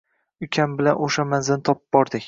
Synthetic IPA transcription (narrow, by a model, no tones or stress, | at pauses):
ʊkʲʰambɪlanʔoʃamanzɪnɪt̪ʰɒpɨb̚bɒɾd̪ɪkʲ